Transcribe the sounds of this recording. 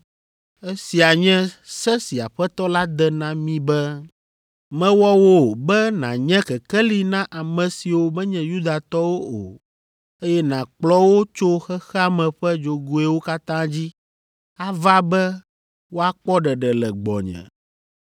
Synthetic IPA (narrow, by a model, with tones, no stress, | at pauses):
ɛ˦si˨a˨ɲɛ̃˦sɛ˦si˨a˨ɸɛ˦t̪ɔ˦la˦d̪ɛ˦nã˦mĩ˦bɛ˦ | mɛ̃˦wɔ˦wo˦˨bɛ˦nã̰˨ɲɛ̃˦kɛ˨kɛ˦li˨nã˦ʔa˨mɛ̃˨si˨wo˦mɛ˦ɲɛ̃˨ju˦d̪a˨t̪ɔ˦wo˦o̰˨ | e˦jɛ˦nã˨k͡plɔ˦wo˦t͡ʃo˦xɛ˦xɛ˦a˦mɛ̃˨ɸɛ˦d͡ʒo˨ɡo˦ɛ˦wo˦ka˦t̪ã˦d͡ʑi˦ | a˦va˦bɛ˦ | wo˦a˦k͡pɔ˦ɖɛ˨ɖɛ˨lɛ˨ɡ͡bɔ̰˨ɲɛ̰̃˨